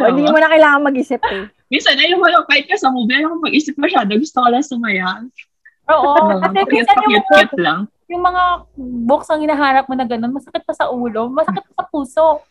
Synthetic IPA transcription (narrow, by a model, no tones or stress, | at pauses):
oʔɪ̃d̪iɲmunɐkɐjlaːŋɐŋmɐɡʔiːsɪp̚ | minsɐnɐjʊŋmɐŋapajɪt̪̚kɐsamobɛɾokomɐɡʔiːsɪp̚mɐʃad̪ɐɡʊst̪okɐlɐŋsɐmɐjan | ʔoːʔoɐɛɐɐtɐnpɐjɡɛt̚kɛt̪̚laŋ | jʊŋmɐŋaboksɐŋhɪnaɦaːɾɐp̚monɐɡɐno̞nmɐsɐkɪt̪̚pɐsɐʔuːlo̞mɐsɐkɪt̪̚kɐsɐpuːso̞ʔ